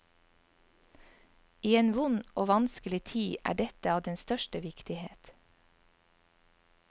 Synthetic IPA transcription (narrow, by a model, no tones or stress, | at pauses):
iːeːnʋʊnʔoːʋɑnskəlɪt̪ʰiːʔæ̰ːɖɛt̪əɑːʋd̪ɛnst̪œʃʈəʋɪkt̪ɪheːt̪